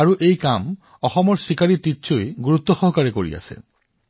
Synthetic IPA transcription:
aɹuʔejkam | ɔxɔmɔɹsikaɹititːsojɡuɹut̪ːɔxɔɦɔkaɹekoɹḭa̰sḛ

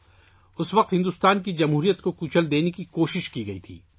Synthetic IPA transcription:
ʊsʋɐq̚t̪ɦɪ̃nd̪ʊːst̪aːnkid͡ʒɐmɦuːɾijət̪kokuːt͡ʃʰəld̪eːnekikoːʃɪʃkiɡɐḭt̪ʰḭː

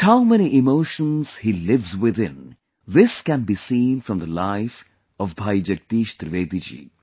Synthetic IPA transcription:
haʊmɛñiʔɪmoːʃə̃nz̥hilɪʋzwɪðɪ̃n | ðɪskæ̃nbisĩːnfɾʌ̃mðəlaɪf | ɔvbʱajd͡ʒʌk̚t̪iːʃt̪ɾɪʋeːd̪id͡ʒḭː

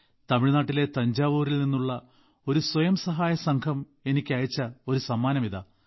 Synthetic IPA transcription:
t̪ɐmiɻnaːʈːile̞t̪ɐɲd͡ʑaːʋuːrilninːuɭːɐ | o̞ɾuswɐjɐmsɐɦaːjɐsɐŋkʰɐm | e̞nikʲːɐːjit͡ɕːɐo̞ɾusɐmːaːnɐmiðɐ

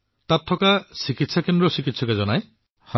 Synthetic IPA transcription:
t̪at̪ʰːɔkasikit̪sakend̪ɾɔsikit̪sɔkazɔnaj | ha

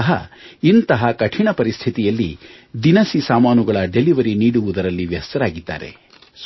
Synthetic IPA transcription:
ɐɦɐ̰int̪ɐɦɐkɐʈʰiɳɐpɐɾist̪ʰit̪ijɐlːḭ | d̪inɐsisaːmaːnuɡɐɭɐɖe̞liʋɐɾiniːɽuʋud̪ɐɾɐlːiʋjɐst̪ɐɾaːɡid̪ːa̰ːɾe̞̰ | s

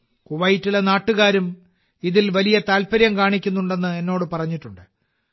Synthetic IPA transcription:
kuʋɐjtːilenaːʈːuɣaːɾum | iðilʋɐlijɐt̪aːlpɐɾjɐmkaːɳikʲːunːuɳɖe̞nːɨe̞nːo̞ːɽɨpɐrɐɲːiʈːuɳɖɨ

